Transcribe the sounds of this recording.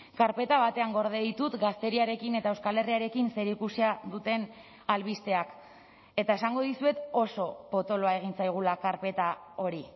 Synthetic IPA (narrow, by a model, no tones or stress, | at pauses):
kaɾpe̞t̪aβat̪e̞aŋɡo̞ɾð̞eðit̪ut̪ɡast̪e̞ɾiaɾe̞kine̞t̪ae̞wskale̞riaɾe̞kinse̞ɾikusiaðut̪e̞n | alβist̪e̞ak | e̞t̪ae̞saŋɡo̞ðisue̞t̪o̞so̞po̞t̪o̞loae̞ɣ̞int͡sajɣ̞ulakaɾpe̞t̪ao̞ɾi